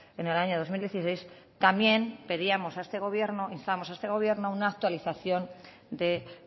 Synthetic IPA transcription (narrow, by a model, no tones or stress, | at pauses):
e̞ne̞laɲo̞ð̞o̞zmild̪je̞θise̞js | t̪amje̞npe̞ðiamo̞saest̪e̞ɣ̞o̞βje̞ɾnoinst̪aβamosaest̪e̞ɣ̞o̞βje̞ɾnounaːk̚t̪waliθaθjo̞n | d̪e̞